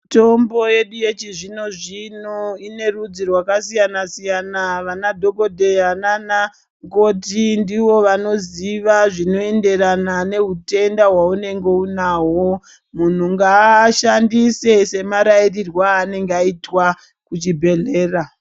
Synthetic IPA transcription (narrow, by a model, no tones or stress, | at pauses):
to̞mbo̞je̞ɗuje̞t͡ʃiʐino̞ʐinoine̞rud͡zirwakasijanasijanaʋanadʱo̞ko̞dʱe̞anana | ŋɡotindiʋo̞ʋano̞ziʋaʐino̞e̞nde̞ɾanane̞ɦute̞ndaɦwaune̞ŋɡe̞unaːwo | mun̤uŋɡaʃandise̞se̞maɾairirwaːne̞ŋɡeaitwa | kut͡ʃibʱe̞ɮe̞ːra